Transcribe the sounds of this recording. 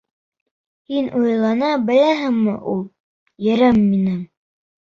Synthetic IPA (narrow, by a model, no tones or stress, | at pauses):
hinʔujlˠɑnɑbɘ̆læɦɘŋmɘ̰ʔulˠ | jɘ̆ɾɘmːinɘŋ